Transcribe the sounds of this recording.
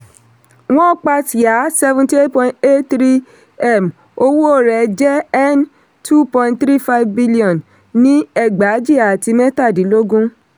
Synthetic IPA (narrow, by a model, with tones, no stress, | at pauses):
w̃ɔ̃˦k͡pa˧ti˨a˨˦sɛ˦˧vũ˧ti˦e˦tpɔ̃˧ĩ˨˦te˦ttɾi˦ | ɛ˦˨m | o˧wu˦o˦˨ɾɛ˨d͡ʒɛ˦ɛ˦n | tʰu˦pɔ̃˧nttɾi˦fa˦vbi˦li˦ɔ̃˨n | nĩ˦ɛ˦˨ɡ͡ba˨˦d͡ʒi˦˨a˨ti˧mɛ̃˦ta˦˨di˨˦lo˦ɡũ˦